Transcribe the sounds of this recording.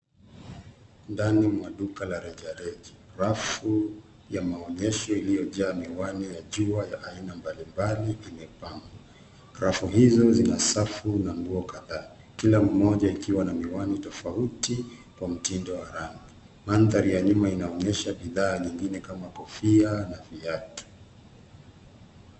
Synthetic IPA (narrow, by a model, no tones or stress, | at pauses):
ndanimwaɗukalaɾɛʄaɾɛʄiɾafu | jamaɔɲɛʃɔilijɔʄaːmiwanɛjaʄuajaʔainambalimbaliʔimɛpaŋɡa | ɾafuɦizɔzinasafunamɡuɔkaðaː | kilam̩mɔʄaikiwanamiwanitɔfautikwam̩tindɔwaɾaŋɡi | manðaɾijaɲumainaɔɲɛʃaɓiðaːɲiŋɡinɛkamakɔfianaviatu̥